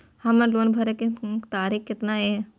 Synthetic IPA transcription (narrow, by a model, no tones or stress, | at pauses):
hɐmɐɾloːnbʱɐɾeket̪aːɾiːxkɪt̪nae